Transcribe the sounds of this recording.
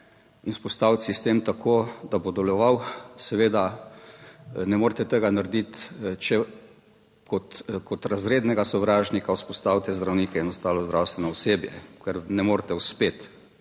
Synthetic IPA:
inspɔst̪aːwt̪sist̪emt̪akʰoːd̪abod̪ɛlɔʋawsɛʋeːd̪a | nɛmoːɾt̪ɛt̪eɡanaɾd̪it̪t͡ʃɛ | kɔt̪kɔt̪ɾazɾeːd̪nɛɡasɔʋɾaːʒnikawspɔst̪aːwt̪ɛzd̪ɾawniːkɛɛnɔst̪aːlɔzd̪ɾawst̪ʋɛnɔɔseːbjɛ̰kɛɾnɛmoːɾt̪ɛwspeːt̪

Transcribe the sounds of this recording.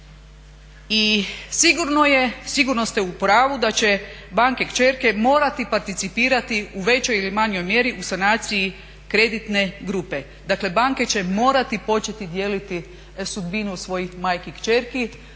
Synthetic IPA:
isiɡuɾnojesiɡuɾno̞st̪jeupɾaːʋud̪at͡ɕe̞baːŋkekt͡ʃe̞ɾke̞mo̞ːɾat̪ipaɾt̪it̪sipiːɾat̪iuʋe̞t͡ɕojilimaɲjo̞jmje̞ɾiʔusanaːt̪siji | kɾe̞d̪it̪ne̞ɡɾupe̞ | d̪akle̞baːŋke̞t͡ɕe̞mo̞ːɾat̪ipo̞t͡ʃe̞t̪id̪je̞ːlit̪i | sud̪binusʋo̞jixmaːjkikt͡ʃe̞ɾki

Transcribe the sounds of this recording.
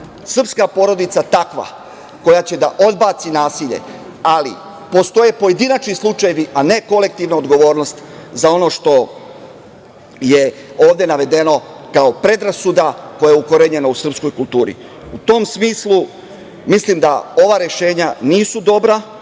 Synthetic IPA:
sr̩pskapo̞ɾo̞d̪it̪sat̪akʋa̰ | ko̞jat͡ɕe̞d̪aʔo̞d̪baːt̪sinaːsiʎe̞̰ | alḭ | po̞st̪o̞je̞po̞je̞d̪inat͡ʃnislˠut͡ʃaje̞ʋiʔane̞ko̞le̞k̚t̪iʋnaod̪ɡo̞ʋo̞ːɾno̞st̪ | zao̞no̞ʃt̪o̞ | je̞o̞ːʋd̪e̞naʋe̞d̪e̞no̞ | kao̞pɾe̞d̪ɾasud̪ako̞jajeuko̞ɾeɲe̞nousr̩psko̞jkulˠt̪uːɾḭ | ut̪o̞msmiːslˠu | mislimd̪ao̞ʋaɾje̞ʃe̞ːɲaniːsud̪o̞bɾa

